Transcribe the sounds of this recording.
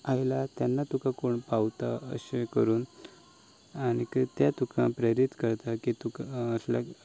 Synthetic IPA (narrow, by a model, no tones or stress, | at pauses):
ajlat̪janːat̪ukãkoɳpawt̪aə̰ɕekəɾuːn | aɽ̃ikt̪jat̪ukʰãpɾəɾit̪kəɾt̪akit̪ukaəsla̰